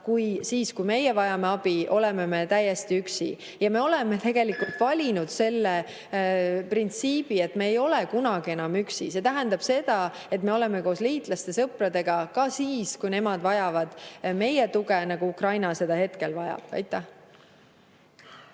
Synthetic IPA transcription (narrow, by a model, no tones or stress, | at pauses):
kujsiːskujme̞jevɑjɑmeɑb̥io̞le̞me̞me̞t̪æjːe̞st̪iyksḭ | jɑme̞o̞le̞me̞t̪e̞ɡ̥e̞likult̪ˑvɑlʲinud̪̥se̞lːe | print̪siːb̥ie̞t̪ːmeːjo̞le̞kunɑɡ̥ie̞nɑmyksise̞t̪æɦænd̪̥ɑb̥se̞d̪̥ɑ | e̞t̪ːˑme̞o̞le̞me̞ko̞ːsliːt̪ˑlɑst̪e̞sɤprɑd̪e̞ɡ̥ɑkɑsiːskujne̞mɑd̪̥vɑjɑvɑd̪̥me̞jet̪uɡe̞nɑɡ̥uukrɑjnɑse̞d̪̥ɑhe̞t̪ke̞lvɑjɑ̰b̥ɑ̰jt̪ːˑæh